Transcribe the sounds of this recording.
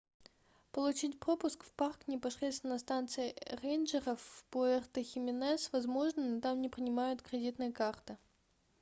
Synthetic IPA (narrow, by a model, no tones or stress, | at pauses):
pəlˠʊt͡ɕitʲpɾo̞pʊskfparknʲɪpɐsɾʲet̪st̪ʲɪnəst̪ant̪sɨɪrejnʐərəfpoɛrt̪əxʲɪmʲɪnɛsvɐzmo̞ʐnɨnot̪amnʲɪpɾʲɪnʲɪmajʊt̪kɾʲɪdʲit̪nɨjəkart̪ɨ